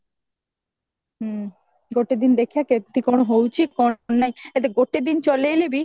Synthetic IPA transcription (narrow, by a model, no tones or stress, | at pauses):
ɡoʈed̪ind̪ekʰijaket̪ikonoɦowt͡ɕʰikonːajet̪eɡoʈed̪int͡ɕolejlebi